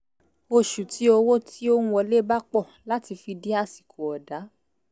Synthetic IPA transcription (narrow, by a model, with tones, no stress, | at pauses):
o˧ʃu˨ti˨˦o˧wo˦tʰi˦o˦nũ˧ɔ˧le˦ba˦k͡pɔ˦˨ | la˦ti˧fi˧di˦a˧˨si̥˨kʰo˨ɔ˨da˨˦